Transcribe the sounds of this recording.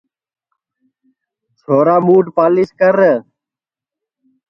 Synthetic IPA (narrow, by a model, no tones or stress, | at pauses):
t͡sʰoːɾaːmuːʈpaːliskəɾə